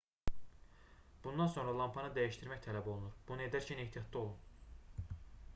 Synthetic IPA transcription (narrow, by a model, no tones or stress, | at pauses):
b̥und̪ɑnso̞nɾɑlˠɑmpʰɑnɯd̪æjiʃt̪iɾmæçt̪ʰælæbo̞lˠunuɾb̥unɯe̞d̪æɾcʰæneht̪ʰijɑt̪̚ʰd̪ɑo̞lˠun